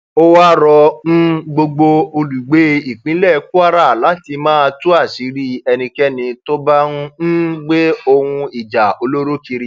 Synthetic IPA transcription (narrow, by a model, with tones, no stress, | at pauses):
o˦wa˦ɾɔ˧ñ̩˦ɡ͡bo˧ɡ͡bo˧o˧lu˨ɡ͡be˨˦i˦˨k͡pĩ˨˦lɛ˦˧ku˦a˦ɾa˦˨la˨˦ti˧mãː˦˧tu˦a˦˨si˨˦ɾi˦ɛ˧nĩ˧kɛ˦nĩ˧to˦ba˦nũ˦n̩˦ɡ͡be˦o˧hũ˧i˨d͡ʒa˨o˧lo˦ɾo˦ki˧ɾi˦